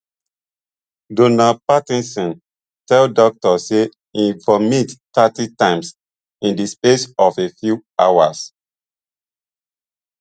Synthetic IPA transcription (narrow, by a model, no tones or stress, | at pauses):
donapatĩnsɔ̃n | tɛldɔk̚tɔse | ĩvɔmittatitãɪ̃ms | ĩndispesɔfefjua̰wa̰s